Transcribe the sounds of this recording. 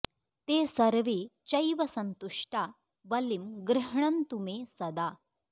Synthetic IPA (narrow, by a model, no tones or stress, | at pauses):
t̪esɐɾʋet͡ɕɐjʋɐsɐnt̪uʂʈa | ʋɐlimɡɾɪɦɳɐnt̪umesɐd̪a